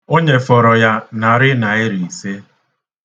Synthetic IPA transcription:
o˦ɲe˨fɔ˨ɾɔ˨ja˦na˨ɾɪ˦na˨ɪ˦ɾi˨i˨se˦

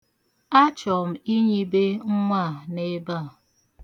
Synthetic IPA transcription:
a˦t͡ʃɔ˨m̩˨i˦ɲi˦be˦ŋ̩˦ŋʷa˦˨ne˦ba˦˨

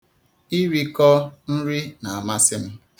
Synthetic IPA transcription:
i˦ɾi˦kɔ˦n̩˦ɾi˦na˨a˨ma˦sɪ˦m̩˦

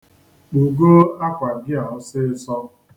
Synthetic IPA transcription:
u˨ɡo˦a˦kʷa˨ɡɪ˦a˨ɔ˦sɪ˦ɪ˦sɔ˦

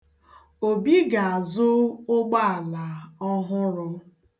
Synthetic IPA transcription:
o˨bi˦ɡa˨a˨zʊ˦ʊ˦ɡ͡ba˦a˨la˨ɔ˦ɦʊ˦ɾʊ˦

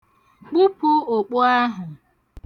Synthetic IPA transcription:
k͡pu˦pʊ˦o˨k͡pʊ˦a˦ɦʊ˨

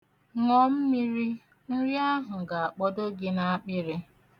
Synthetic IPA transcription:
ŋɔ˦m̩˦mi˦ɾi˦ | n̩˦ɾi˦a˦ɦʊ˨ɡa˨a˨k͡pɔ˦do˦ɡɪ˦na˦a˦k͡pɪ˦ɾɪ˦

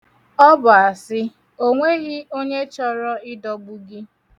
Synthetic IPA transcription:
ɔ˦bʊ˨a˨sɪ˦ | o˦ŋʷe˦ɣɪ˦o˦ɲe˦t͡ʃɔ˦ɾɔ˦ɪ˦dɔ˨ɡ͡bu˦ɡɪ˦

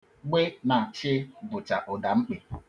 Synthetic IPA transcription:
ɡ͡be˦na˨t͡ʃɪ˦bʊ˨t͡ʃa˨ʔʊ˨da˨ŋ͡m̩˦k͡pe˨

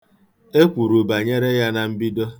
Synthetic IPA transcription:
e˦kʷu˨ɾu˨ba˨ɲe˦ɾe˦ja˦na˨m̩˦bi˦do˦

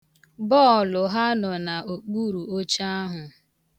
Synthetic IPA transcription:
bɔ˦ɔ˨lʊ˨ɦa˦nɔ˨na˨o˨k͡pu˦ɾu˨o˦t͡ʃa˦a˦ɦʊ˨

